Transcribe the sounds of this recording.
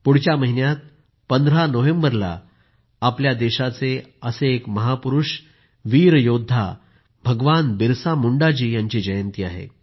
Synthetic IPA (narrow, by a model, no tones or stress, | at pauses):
puɽ̤t͡ɕjaməɦinjat̪̚ | pənd̪əɾanoʋẽmbəɾla̰ː | pljad̪eɕat͡seəseːkməɦapuɾuʂ | ʋiːɾjod̪ʱːa̰ | bʱəɡʋanbiɾsamuɳɖad͡ʑiːjaɲt͡ɕiːd͡ʑəjənt̪iːaɦḛ